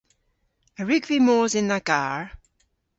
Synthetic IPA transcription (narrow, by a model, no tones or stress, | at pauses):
əɹɪɡvimɔːzɪ̃nðəɡ̥aːɹ